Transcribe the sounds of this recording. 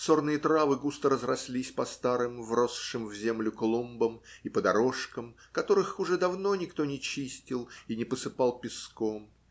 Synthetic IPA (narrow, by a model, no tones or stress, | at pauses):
so̞rnɨjət̪ɾavɨɡust̪əɾəzrɐsʲlʲisʲpɐst̪aɾɨmvro̞sʂɨmvzʲe̞mlʲʊklˠumbəmipəd̪ɐɾo̞ʂkəm | kɐt̪o̞ɾɨxʊʐɛd̪ɐvno̞nʲɪkt̪o̞nʲɪt͡ɕisʲtʲɪlˠinʲɪpəsɨpɑlˠpʲɪskom